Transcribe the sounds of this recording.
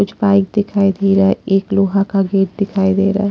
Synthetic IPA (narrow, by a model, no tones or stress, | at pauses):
ʊt͡ʃʰbaːɪk̚d̪ɪkʰaːid̪eːɾaɛeːkloːɦakaɡeːʈ̚d̪ɪkʰaːid̪eːɾa̰ːɛ